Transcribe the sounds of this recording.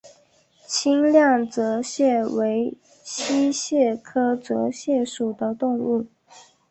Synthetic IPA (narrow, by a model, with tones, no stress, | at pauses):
t͡ɕʰi˥ŋljɑ˥˩ŋt͡sɤ˧˥ɕjɛ˥˩we˧˥ɪ | ɕʰi˥ɕjɛ˥˩kʰɤ˥t͡sɤ˧˥ɕjɛ˥˩ʂu˨˩d̪ə˦t̪ʊ˥˧ŋu˥˩